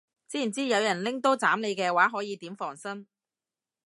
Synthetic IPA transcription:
t͡siː˥i˨˩nt͡siː˥jɐ˨˧wjɐ˨˩nlɪ˥ŋt̪o˥wt͡saː˨˥mle˨˧jkɛː˧waː˨˥ɦɔː˨˥jiː˨˧t̪iː˨˥mfɔː˨˩ŋsɐ˥n

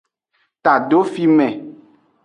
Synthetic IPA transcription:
t̪a˨ɖo˦fi˦mɛ̃˨

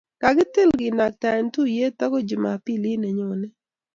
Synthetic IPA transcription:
ka˨ɡɪ˦tɪ˦˨lɡɪ˨na˨k̚ta˨ntu˦je˦t̪a˦kɔ˦d͡ʒɪ˨ma̰˨pi˦li˦nɛ˨ɲɔ˨nɛ˦

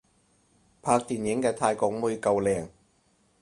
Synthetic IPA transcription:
pʰaː˧k̚t̪iː˨njɪ˨˥ŋkɛː˧t̪ʰaː˧jkɔː˧k̚muː˧jkɐ˨˧wlɛː˨ŋ

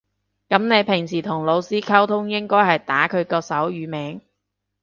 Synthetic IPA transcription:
kɐ˨˥mne˨˧jpʰɪ˨˩ŋsiː˨˩t̪ʰʊ˨˩ŋlo˨˧wsiː˥kʰɐ˥wt̪ʰʊ˥ŋjɪ˥ŋkɔː˥jhɐ˨jt̪aː˨˥kʰɵ˨˧ɥkɔː˧sɐ˨˥wjyː˨˧mɛː˨˥ŋ

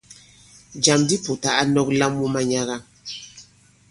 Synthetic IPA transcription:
d͡ʒa˨mdi˦pu˨ta˨ʔa˦nɔ˦k̚la˦mwu˦ma˦ɲa˦ɣa˦

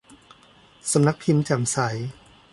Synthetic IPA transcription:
sa˧˦mna˦˥k̚pʰi˧mt͡ɕa˨˩msa˩˦j

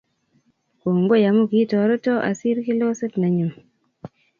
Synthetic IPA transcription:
ko˨ŋɡo˦˨ja˨mu˦ki˨˦tɔ˨ɾo˦to˦ʔa̰˨si˦ɾki˦lo˦se˦tna˨ɲu˨m

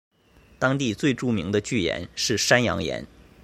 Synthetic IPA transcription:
t̪ɑ˥ŋt̪i˥˧t͡swe˥˧ɪʈ͡ʂu˥˩mi˧˥ŋd̪ə˧t͡ɕy˥˩jɛ̰˧˥nʂɻ̩˥˩ʂa˥njɑ̰˧˥ŋjɛ̰˧˥n

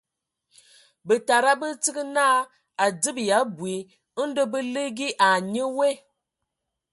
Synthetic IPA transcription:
bə˨ta˨ɾa˦bə˦t͡si˦ɡə˦na˦ | a˨d͡zɨ˦bja˨˦bwi˨˦ | də˦bə˦lə˦ɡi˦ʔa˨ɲə˦we˦

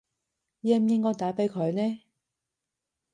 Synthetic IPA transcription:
jɛː˧m̩˨˧jɪ˥ŋkɔː˥˧jt̪aː˨˥jpe˨˧jkʰɵ˨˧ɥnɛː˥

